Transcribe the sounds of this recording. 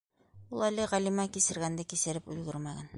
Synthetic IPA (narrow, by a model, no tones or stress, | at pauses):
ulˠælɘʁælimɑkisɘ̆ɾɡænd̪ækisɘ̆ɾɘpʉlɡɵ̆ɾmæɡæn